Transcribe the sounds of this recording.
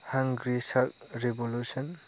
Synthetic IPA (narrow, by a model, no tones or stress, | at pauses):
haŋɡɾisaɾt̚ɾebolusɔn